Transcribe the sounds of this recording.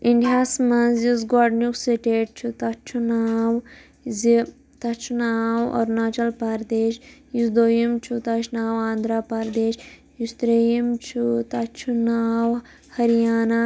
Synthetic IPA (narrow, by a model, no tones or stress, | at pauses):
iɳɖʱaːsmɐnzjizɡɔɖnuksiʈeːʈ̚t͡ʃʰut̪ɐt͡ʃʰunaːw | zi | t̪ɐt͡ʃʰunaːwɔ̰ːɾnaːt͡ʃɐlpɐɾd̪eːʃjusd̪oːjimt͡ʃʰut̪ɐt͡ʃʰnaːwaːnd̪ɾaːpɐɾd̪eːʃ | just̪ɾejimt͡ʃʰut̪ɐt͡ʃʰunaːw | hɐɾijaːna